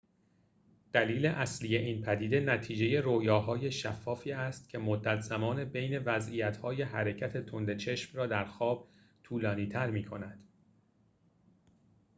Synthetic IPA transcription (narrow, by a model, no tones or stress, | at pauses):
d̪̥æliːle̞ʔæslije̞ʔiːnpʰæd̪iːd̪e̞næt̪ʰiːd͡ʒe̞je̞ɾoːjɒːɦɒːje̞ʃæfːɒːfiːæst̪̚cʰe̞mod̪ːæt̪ʰz̥æmɒːne̞be̞jne̞væzijæt̪hɒːje̞hæɾe̞cʰæt̪ʰe̞t̪ʰond̪e̞t͡ʃʰe̞ʃmrɒːd̪æɾxɒːb̥̚ | t̪ʰuːlɒːniːt̪ʰæɾmiːkʰo̞næd̪̥